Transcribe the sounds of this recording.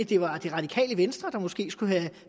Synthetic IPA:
d̥e̝ʋɑ̈d̥e̝ʁɑ̈d̥ikʰɛ̰ːləʋensd̥ʁɐd̥ɑ̈mɒ̽sɡ̥e̝̰ːsɡ̥uɦæ

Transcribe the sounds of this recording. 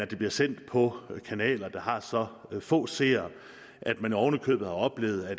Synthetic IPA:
æd̥e̝b̥liɐsen̰d̥pʰɒ̽kʰænɛ̰ːlɐd̥ɑ̈ɦɑ̈sɒ̽fɔ̰̽ːse̝̰ːɐ | ʔæd̥mæniɒʊnəkʰø̰ːb̥ð̩ˠhɑ̈ɒ̽b̥le̝̰ːʊð̞̩ˠæ

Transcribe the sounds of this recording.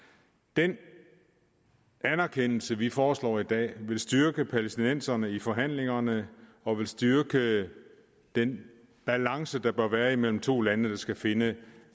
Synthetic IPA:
d̥en | ænæɐkʰen̰l̩səʋifɒːslɒ̰ːid̥ɛ̰ːʋe̝lsd̥yɐɡ̥əpʰælesd̥inen̰sɐnəifɒ̽ɦæn̰le̝ŋɐnə | ɒ̽ʋe̝lsd̥yɐɡ̥ə | d̥en | b̥ælɑ̈ŋsəd̥ɑ̈b̥ɶɐʋæːɐimel̰m̩t͡sʰo̝̰ːlænəd̥ɑ̈sɡ̥æfe̝nə

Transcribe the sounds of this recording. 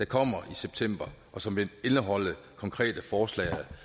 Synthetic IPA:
d̥ɑ̈kʰɒ̽m̰ɐʔiseb̥̚t͡sʰem̰b̥ɐʔɒ̽sɒ̽mʋee̝nəɦɒ̽l̰ə | kʰɒ̽ŋkʰʁɛ̰ːd̥əfɒːslɛ̰ːɪæ

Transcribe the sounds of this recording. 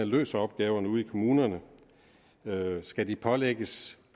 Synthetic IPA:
ælø̰ːsɐɒ̽b̥̚ɡ̥ɛːʊɐnəuːð̩ˠikʰo̝muːnɐnə | øsɡ̥ædipʰɒ̽leɡ̥əs

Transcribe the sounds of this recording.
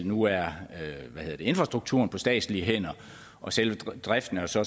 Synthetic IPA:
nuæɐøʋæhe̝ð̰ˠɐde̝e̝nfʁɑ̈sd̥ʁuɡ̥̚t͡sʰṵːɐ̰npʰɒ̽sd̥ɛ̰ːd̥sliəɦen̰ɐ | ʔɒ̽sel̰ʋə̥d̥ʁafd̥n̩æsɒ̽

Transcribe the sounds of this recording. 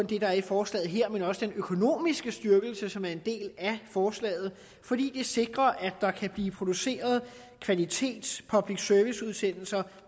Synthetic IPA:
nd̥e̝ɾ̥ɑ̈æɐifɒːslɛ̰ːð̩ˠɦeɐ̰menɒ̽səd̥enøkʰo̝no̝̰ːmisɡ̥əsd̥ɶɐɡ̥l̩səsɒ̽mæɐe̝nd̥e̝̰ːlæfɒːslɛ̰ːð̞̩ˠ | fɒ̽d̥ḭːd̥e̝se̝ɡ̥ʁɐʔæ̥ɑ̈kʰæb̥liːpʰʁo̝d̥use̝̰ːɐð̞ˠ | kʰʋælit͡sʰe̝̰ːd̥spʰɒ̽b̥liɡ̥sœɐʋisuð̞ˠsen̰l̩sɐ

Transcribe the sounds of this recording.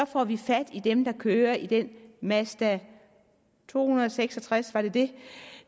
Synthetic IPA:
ɒ̽fɒ̰ːʋifæd̥id̥emd̥ɑ̈kʰøːɐʔid̥enmæsd̥æ | t͡sʰo̝̰ːhunɐðˠɒ̽seɡ̥sɒ̽t͡sʰʁasʋɑ̈ɾ̥e̝d̥e̝

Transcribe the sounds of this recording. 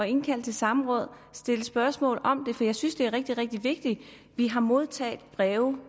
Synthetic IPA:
ɒ̽e̝nkʰæl̰d̥̚t͡sʰe̝lsɑ̈mʁɔ̽ð̞̰ˠ | sd̥e̝ləsb̥ɶɐsmɔ̰̽ːlˠɒ̽md̥e̝fɒ̽jɑ̈ɪsynsd̥e̝æɐʁɛɡ̥̚d̥iʁɛɡ̥̚d̥iʋe̝ɡ̥̚d̥i | ʋiɦɑ̈mo̝ð̞ˠt͡sʰɛ̰ːd̥b̥ʁɛːʊ

